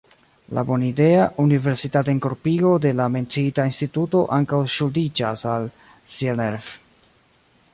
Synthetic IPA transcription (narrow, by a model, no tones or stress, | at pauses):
la̰bo̞nide̞aʔunive̞ɾsitateeŋko̞ɾpiɡo̞de̞lame̞nt͡siitainstituto̞ʔaŋkawʃudid͡ʒasal | sieneɾf